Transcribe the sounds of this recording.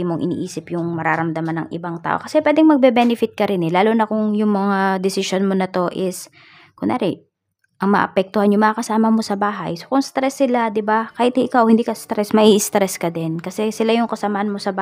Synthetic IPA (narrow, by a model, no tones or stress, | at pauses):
imoŋʔɪnḭːʔiːsɪpjʊŋmɐɾaːɾɐmd̪ɐmanɐ̰ŋʔɪ̰baŋt̪a̰ːʔo̞̰kɐsɛpwɛːd̪ɪŋmɐɡ̚bɛbɛnɪfɪt̪̚kɐɾɪnɛlaːlonɐkʊŋjʊŋmɐŋad̪ɪsɪʃonmonɐt̪o̞ʔɪs | kʊŋna̰ːɾɛ | ʔɐŋmɐ̰ʔɐ̰pɛk̚t̪ʊhanjʊŋmɐŋɐkɐsaːmɐmo̞sɐbaːɦɐ̰jsokʊŋst̪ɾɛsːɪlad̪ɪbakaːhɪt̪iʔɪkawʔhɪnd̪iːkɐst̪ɾɛsmɐʔiʔɪst̪ɾɛskɐd̪ɛnkɐsɛsɪlajʊŋkɐsɐmahɐnmo̞sɐba